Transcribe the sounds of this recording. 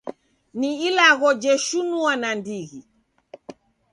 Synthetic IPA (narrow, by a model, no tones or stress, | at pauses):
niilaɣɔd͡ʒɛʃunuanandiɣi